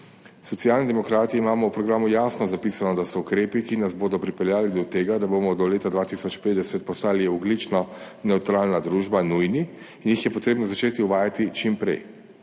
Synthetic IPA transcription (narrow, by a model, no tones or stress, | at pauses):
sɔt̪sijaːlnid̪ɛmɔkɾaːt̪iːmaːmɔwpɾɔɡɾaːmujaːsnɔzapiːsanɔd̪asɔukɾeːpikinazboːd̪ɔpɾipɛljaːlid̪ɔt̪eːɡad̪aboːmɔd̪ɔleːt̪ad̪ʋaːt̪isɔt͡ʃpeːd̪ɛsɛt̪̚pɔst̪aːliuɡlit͡ʃnɔ | nɛwt̪ɾaːlnad̪ɾuːʒbanujniː | njixjɛpɔt̪ɾeːbnɔzat͡ʃeːt̪iuʋaːjat̪it͡ʃimpɾɛ̰j